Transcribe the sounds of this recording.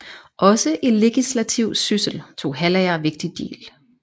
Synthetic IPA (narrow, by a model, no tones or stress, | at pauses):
ʔɒ̽səʔe̝le̝ɡ̥islæt͡sʰiʊ̰̥sysəl̩t͡sʰo̝̰ːɦælæɪɐʋe̝ɡ̥̚d̥id̥ḛːl